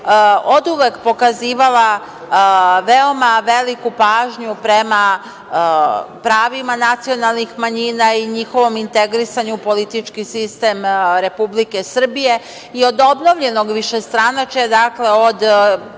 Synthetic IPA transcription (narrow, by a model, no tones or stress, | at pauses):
o̞d̪uʋekpo̞kaziːʋala | ʋe̞o̞maʋe̞likupaːʒɲupɾe̞ma | pɾaːʋimanat̪sio̞nalˠnixmaɲinaiɲixo̞ʋo̞mint̪e̞ɡɾisaɲupo̞lit̪it͡ʃkisist̪e̞mɾe̞publike̞sr̩bije̞ | io̞d̪o̞bno̞ʋʎe̞no̞ɡʋiʃe̞st̪ɾanat͡ʃed̪akle̞o̞d̪